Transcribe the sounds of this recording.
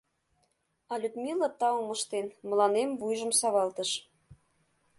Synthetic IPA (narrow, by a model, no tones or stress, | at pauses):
ɑlʲyd̪mʲilət̪ɑuməʃt̪enmə̆lɑnemvujʒə̆msɑβɑlt̪əʃ